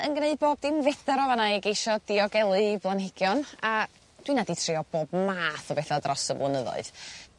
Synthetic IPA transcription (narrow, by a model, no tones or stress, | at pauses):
ənɡneɨd̚boːb̚dɪmvɛθaɾɔvanaiɡejʃɔdɪɔɡɛlˠɨblˠanhɪɡ̥jɔna | d̥winaditʰrɪɔb̥oːbmaːθɔbɛθadrɔsəblˠʊnəðɔ̰ɨð